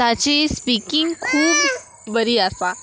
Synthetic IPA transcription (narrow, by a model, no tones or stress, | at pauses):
t̪at͡ɕispikiŋɡkʰuːb | bəɾiasa